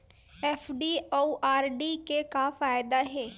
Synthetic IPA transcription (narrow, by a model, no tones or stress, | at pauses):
ɛːfɖioʔaːɾɖikekafaːjd̪aɦɛ̃ː